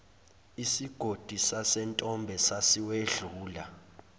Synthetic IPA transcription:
isiɡ̥ʱod̥ʱisasɛntʼɔmbʱɛsasiweɮuːla

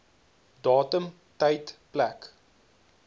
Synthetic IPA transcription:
dɑːtəm | təjtplæk

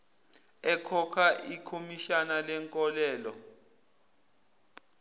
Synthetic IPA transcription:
ɛkʰɔkʰaʔikʰomiʃanalɛŋkʼɔlɛːlɔ

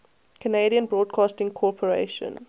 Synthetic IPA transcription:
kʰəneɪɾiə̃nbɹɔːdkʰɑːstɪ̃ŋkʰɔpʰəɹḛɪʃə̰̃n

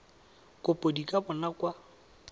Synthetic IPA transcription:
kʼʊpʼodikʼabʊnakʼwa

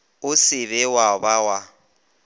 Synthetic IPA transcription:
ʊsɪβɛwabawa

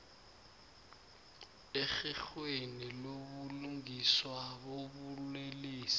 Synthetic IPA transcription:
exixweniloβuluŋiswaβoβuleliːsi̥

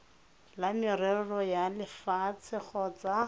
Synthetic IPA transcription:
lamɪrɛɺɔjalɪfat͡sʰɪχɔt͡sa

